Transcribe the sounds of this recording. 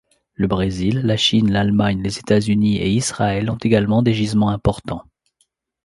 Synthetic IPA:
ləbʁezilːaʃinlalmaɲlezet̪azyniḛisʁaɛlɔ̃t̪eɡalmɑ̃d̪eʒizmɑ̃ɛ̃pɔʁt̪ɑ̃

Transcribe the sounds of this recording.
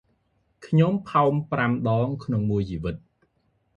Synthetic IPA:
kʰɲompʰaɔmpramɗɑːŋkʰnoŋmuəjt͡ɕiːʋɨt̪̚

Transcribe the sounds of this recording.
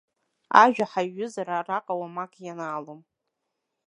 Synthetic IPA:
a̰ʒᶣaħaɥːʊzaɾaraqʼawamakʰʼjanaːlom

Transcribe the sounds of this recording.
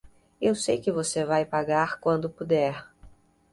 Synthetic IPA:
ewsejkɪvosevajpaɡaɾkwɐ̃nd̪ʊpud̪ɛɾ

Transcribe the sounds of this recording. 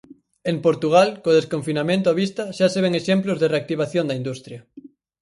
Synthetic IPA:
empoɾt̪uɣ̞alkoðeskoɱfinamẽnt̪̬ʊaβist̪ɐʃaseβ̞eŋeʃemplʊzðereak̚t̪iβ̞aθjõnd̪ɐind̪ust̪ɾjɐ

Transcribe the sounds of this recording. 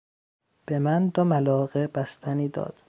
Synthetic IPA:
b̥emænd̪omælɒːɣebæst̪ʰæniːd̪ɒ̰ːd̪̥

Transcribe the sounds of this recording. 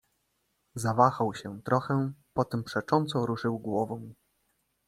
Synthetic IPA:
zavaxawɕɛt̪ɾɔxɛpɔt̪ɛmpʂɛt͡ʂɔnt̪sɔɾuʂɘwɡwɔvɔ̃w̃

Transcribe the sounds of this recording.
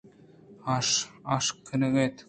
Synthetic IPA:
ɑʃɑʃkʰːɘ̆nɘ̆ɣet̪

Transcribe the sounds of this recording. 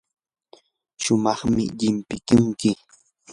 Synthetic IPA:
ʃʊmɑχmɪ̰ʎɪmpɪkʊŋkɪ

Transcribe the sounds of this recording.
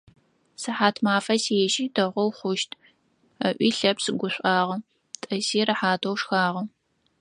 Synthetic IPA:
sɨħaːtʰmaːfɐsiɛʒiːdʰɐʁʷɔwχʷʊʃtʰ | ɐʔʷiːɬɐpsɨɡʷʊɕʷʼɑːʁɐ | tʼɐziːrɨħaːtʰowʂxaːʁɐ

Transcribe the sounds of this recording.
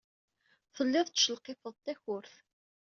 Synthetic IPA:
θəlːɪðˤt͡sːʃəlqefəðˤt̪ːæçʊɾθ

